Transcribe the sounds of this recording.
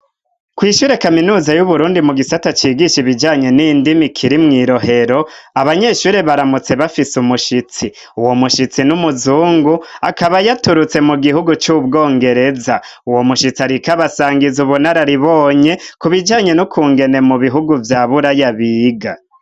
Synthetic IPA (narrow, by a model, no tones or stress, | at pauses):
kwiːʃuːɾe̞kaminuːzajuβuɾuːndimuɡisatat͡ʃiːɡiʃiβid͡ʒaːɲe̞niːndimikʰiɾimŋiːɾo̞ɦe̞ɾo̞aβaɲe̞ːʃuːɾe̞βaɾamut͡se̞βafisumuʃit͡si | uwo̞muʃit͡sinumuzuːŋɡuakaβajatuɾut͡se̞muɡihuɡut͡ʃub̚ɡo̞ːŋɡe̞ɾe̞za | uwo̞muʃit͡siaɾikaβasaːŋɡizuβunaɾaɾiβo̞ːɲe̞kuβid͡ʒaːɲe̞nukʰuːŋɡe̞ne̞muβiɦuɡuvjaːβuɾajaβiːɡa